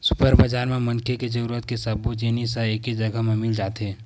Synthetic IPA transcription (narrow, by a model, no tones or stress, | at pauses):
sʊpəɾbəd͡ʒaːɾmẽmɐ̃ŋkʰeked͡ʒɐɾuːɾət̪kesɐbuenisaeːkid͡ʒɐɡaɦmẽmɪld͡ʒaːt̪eː